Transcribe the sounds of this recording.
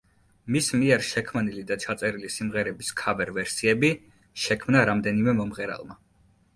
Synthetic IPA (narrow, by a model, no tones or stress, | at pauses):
mismiɛɾʃɛkʰmnilid̪at͡ʃʰat̪sʼɛɾilisimʁɛɾɛbiskʰabɛɾvɛɾsiɛbi | ʃɛkʰmnaɾamd̪ɛnimɛmɔmʁɛɾa̰lˠma